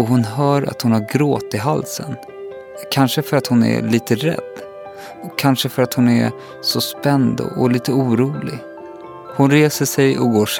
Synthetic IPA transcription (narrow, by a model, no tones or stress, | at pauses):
ɔɦʊnɦœːɾa̰t̪hʊnhaɾɡɾoːt̪ːɪɦalsə̰n | kʰanʂəfœɾat̪hʊnɛ̰liːt̪əɾɛ̰d̪ː | ɔkʰanʂəfœɾat̪hʊnɛ̰ | sɔspɛnd̪ɔ̰ɔliːt̪əuːɾuːlɪɡ | hʊnɾeːsəʂɛjɔ̰ɡoːʂ